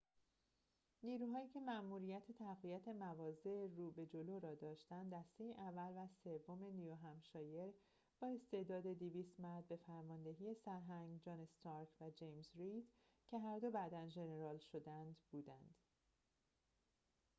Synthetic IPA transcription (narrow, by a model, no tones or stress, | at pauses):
niːɾuːɦɒːiːcʰe̞mæʔmuːɾijæt̪ʰe̞t̪ʰæɣvijæt̪ʰe̞mævɒːze̞ruːbe̞d͡ʒo̞loɾɒːd̪ɒːʃt̪ænd̪dːæst̪e̞jeʔævːælvæse̞vːome̞nijoɦæmʃɒːje̞ɾ | b̥ɒːe̞st̪e̞ʔd̪ɒːd̪e̞d̪iviːst̪mæɾd̪̚be̞fæɾmɒːnd̪e̞ɦiːe̞sæɾɦæŋɡd͡ʒɒːnest̪ɒɾkʰvæd͡ʒejmzɾid̪̥ | cʰe̞ɦæɾd̪o̞bæd̪ænʒe̞ne̞ɾɒːlʃo̞d̪ænd̪b̥uːd̪ænd̪̥